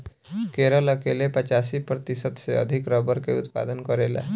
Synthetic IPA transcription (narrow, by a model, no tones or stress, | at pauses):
keɾələkelepət͡ʃasipɾət̪isət̪seə̰d̪ʱikɾəbəɾkeut̪pa̰d̪ənkəɾela̰